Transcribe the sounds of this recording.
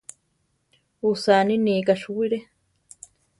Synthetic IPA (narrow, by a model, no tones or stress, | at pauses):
usaːniniːkaʃuwiɾe